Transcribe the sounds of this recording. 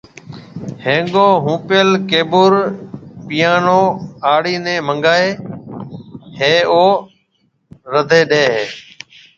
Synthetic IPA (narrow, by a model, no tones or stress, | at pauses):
hẽːŋɡoːɦũːpɪjəlkeːbʊɾpɪjaːnoːaːɽiːnẽːmə̃ŋɡaːeː | heːoː | ɾəd̪ʱeːɗeːɦeː